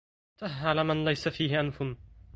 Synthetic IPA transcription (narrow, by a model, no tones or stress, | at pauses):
t̪aɦʕalaːmanlajsafiːhɪʔanfʊn